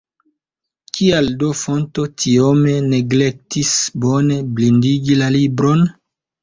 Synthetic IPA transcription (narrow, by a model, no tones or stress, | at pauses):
kʰialdofo̞nto̞tʰiome̞ne̞ɡle̞k̚tisbo̞ne̞blindiɡilalibɾo̞n